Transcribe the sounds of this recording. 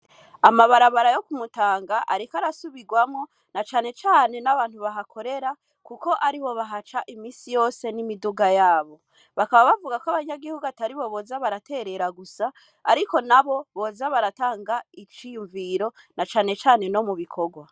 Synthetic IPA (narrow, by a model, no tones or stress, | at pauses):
amaβaɾaβaɾajo̞kumutaːŋɡaʔaɾikaɾasuβiɡwamŋo̞ | nat͡ʃaːne̞t͡ʃaːne̞naβaːn̥huβaɦakʰo̞ɾe̞ɾa | kuko̞ʔaɾiβo̞βaɦat͡ʃaʔimiːsijo̞ːse̞nimiduɡajaːβo̞ | βakaβaβavuɡakwaβaɲaɡihuɡuataɾiβo̞βo̞ːzaβaɾate̞ɾe̞ɾaɡusaː | ɾiko̞naβo̞βo̞ːzaβaɾataːŋɡait͡ʃijuɱviɾo̞ | nat͡ʃaːne̞t͡ʃaːne̞no̞muβikʰo̞ɡwa